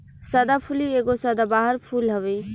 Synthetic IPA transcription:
səd̪apʰulieɡosəd̪abaɦəɾpʰulɦəbe

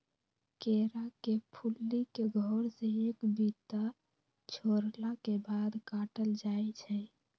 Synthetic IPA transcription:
keɾakepʰulːikeɡʱɔɾsẽekbit̪a | t͡ʃʰoɾlakebad̪kaʈəld͡ʒaɛt͡ʃʰɛ

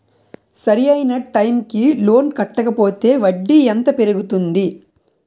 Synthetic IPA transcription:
sɐɾijɐjnɐʈɐjmkilo̞ːnkɐʈːɐkɐpo̞ːt̪e̞ːʋɐɖːiɛnt̪ɐpeɾuɡut̪und̪i

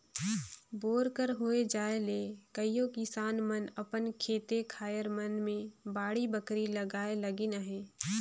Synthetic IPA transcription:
boːɾkəɾɦoed͡ʒaːelekəijõkɪsaːnmənəpənkʰeːt̪ekʰaːjəɾmənmẽbaːɽibəkɾiləɡaːelɐɡinaɦɛː

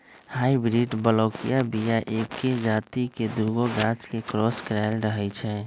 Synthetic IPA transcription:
haːibɾiɖbəlɔːkijabijaʔekːed͡ʒaːt̪iked̪uɾɡoɡat͡ʃkekɾɔːskɾaɪlɾəɦɛt͡ʃʰɛ

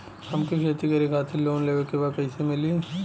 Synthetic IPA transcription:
hɐmkikʰeːt̪ɾikɐɾikʰaːt̪ʰiloːnleːʋəɾkebaːd̪pɛːsemɪlie

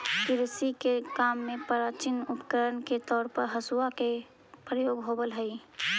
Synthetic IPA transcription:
kɪɾsikekamːepəɾat͡ʃinupə̥kəɾənket̪ɔːɾpəɾɦəsuake | pɾəjoːɡɦobəlɦəj

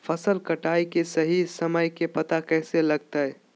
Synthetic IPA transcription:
fʰəsəlkəʈaːikesəɦisɐməjkepɐt̪akɛːselɐɡ̚t̪aɦɛ

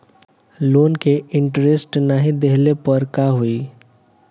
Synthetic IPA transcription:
loːnkeɪ̃ɳʈɾesʈnaɦĩd̪ɛɦlepəɾkaɦui

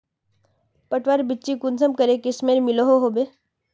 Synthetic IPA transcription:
pɐʈʋaɾbɪtːt͡ʃikʊnsəmkəɾekɪsmeɾmɪloɦoɦoːbe

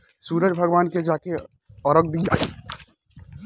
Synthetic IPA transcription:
suːɾəd͡ʒbʱɐɡʋaːnked͡ʒaːke | ɔɾək̚d̪iːd͡ʒaːi

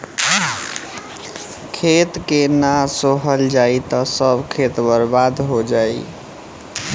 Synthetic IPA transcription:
kʰet̪kenasoɦəld͡ʒait̪ɔsəbkʰet̪bəɾbad̪ɦod͡ʒaji

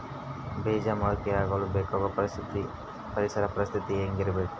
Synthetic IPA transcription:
beːd͡ʒɐmɐːkiaːɡɐlubeːkɔɡɐi | pɐɾisɐɾɐpɐɾist̪ʰit̪ieːŋɡiɾibeːʈː

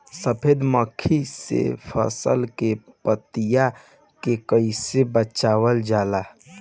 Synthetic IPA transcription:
səpʰed̪məkʰːisḛpʰə̰sə̰lke | pət̪ija | kekəisebət͡ʃaːwəld͡ʒaːla

